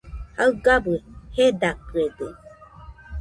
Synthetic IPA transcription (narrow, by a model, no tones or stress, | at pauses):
haɯɡabɯhedakɯed̪e